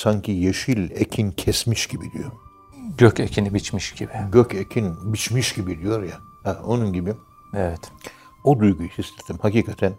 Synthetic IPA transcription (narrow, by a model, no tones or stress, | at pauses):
saɲcʰijeʃilʲecʰincʰɛsmiʃɟibid̪ijo̞ | ɟøcecʰinibit͡ʃmiʃɟ̥ibiɟøcʰecʰinbit͡ʃmiʃɟibid̪ijo̞ɾja | hɛo̞nunɟibi | ɛvɛt̪ | od̪ujɡujisist̪e̥t̪ːimhaciːkʰat̪ʰæn